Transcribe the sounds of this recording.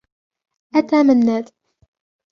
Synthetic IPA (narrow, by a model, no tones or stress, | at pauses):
ʔat̪aːmanːaːt̪